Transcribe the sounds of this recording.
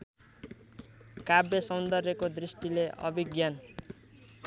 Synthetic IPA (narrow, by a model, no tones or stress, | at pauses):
kabjʌsʌnd̪ʌrjʌkod̪risʈileʔʌ̰biɡjan